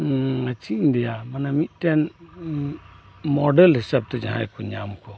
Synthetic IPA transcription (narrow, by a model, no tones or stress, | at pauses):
at͡ʃiɲd̪ɛjamanamit̪̚ˀtɛn | mɔɖɛlhisab̚t̪ɛd͡ʒa̰ɦa̰jkɔɲamkɔ